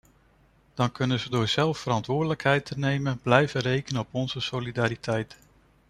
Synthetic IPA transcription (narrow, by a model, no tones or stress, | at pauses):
d̥ɑŋkɵnənzədʊːɹz̥ɛlˠfːəɾɑntʋʊːɹdələkɦɛjtʰənejmənblɛjvərejkənəɔpɔnz̥əsolidaːɾitʰɛjt